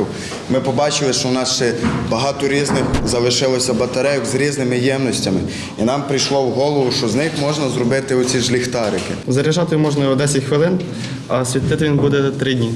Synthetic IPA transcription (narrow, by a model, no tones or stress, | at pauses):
w | mɪpɔbɑt͡ʃɪlˠɪʃt͡ʃɔwnɑsʃt͡ʃɛbɐɦɑt̪ɔɾʲiznɪxzɐlˠɪʃɪlˠɔsʲɐbɐt̪ɐɾɛjɔkzɾʲiznɪmɪjɛmnɔsʲtʲɐmɪ | inɑmpɾɪjʃlˠɔwɦɔlˠɔʋʊʃt͡ʃɔznɪxmɔʒnɐzɾɔbɪt̪ɪɔt͡sʲiʒlʲixt̪ɑɾɪkɪzɐɾʲiʒɑt̪ɪjumɔʒnɐiɔd̪ɛsʲixʋɪlˠɪn | ɐsʲʋʲit̪ːɪt̪ɪʋʲinbud̪ɛt̪ɾɪdʲnʲi